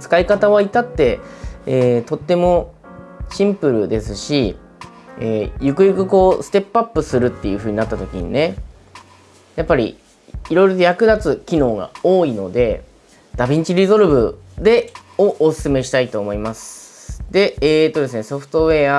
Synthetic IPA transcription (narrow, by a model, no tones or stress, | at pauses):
t͡sɨ̥kaikat̪aβait̪at̪ːe̞eːt̪o̞t̪ːe̞mo̞ | ɕĩmpɯ̟ɾɯ̟̰d̪e̞sɨɕi | eːjɯ̟kɯ̟jɯ̟kɯ̟ko̞ːsɨ̥t̪e̞pɯapːɯ̟sɨɾɯ̟t̪ːe̞jɯ̟ɸɯ̟ːɲ̟inat̪ːat̪o̞kʲḭɲ̟ḭne̞ | japːaɾʲḭ | iɾo̞jɾo̞t̪ojakɯ̟d̪at͡sɨkʲino̞ːɡa̰o̞ːino̞d̪e̞ | d̪̥abʲĩɲt͡ɕiɾʲizo̞ɾɯ̟bɯ̟ | d̪e̞oʔosɨ̥sɨme̞ɕi̥t̪ait̪o̞ːmo̞imasɨ̥d̪e̞eːt̪ːo̞d̪e̞s̬ɨne̞so̞ɸɯ̟̥t̪o̞e̞a